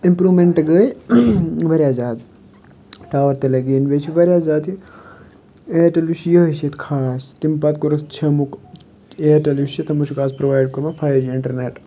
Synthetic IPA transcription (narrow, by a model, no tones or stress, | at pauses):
impɾuːʋmeɳʈɡəːj | ʋɐɾʲjaːzaːd̪ | ʈaːʋɐɾt̪elɐɡiːnʋet͡ʃʰiʋɐɾʲjaːzaːt̪i | eːʈɐluʃjɐɦɐset̪kʰaːst̪impɐt̪kuɾɐkt͡ʃʰɐmuk | eːʈɐluʃit̪ʰɐmut͡ʃʰukaːspɾoʋaːjɖ̚kuɾmɐfʰaːjɾd͡ʒiiɳʈɐɾneʈ